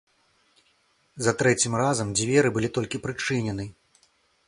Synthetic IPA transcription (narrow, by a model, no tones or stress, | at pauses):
zɐt̪ɾɛt͡sʲimrazɐmd͡zʲvʲɛɾɨbɨlʲit̪ɔlʲkʲipɾɨt͡ʂɨnʲɛnɨ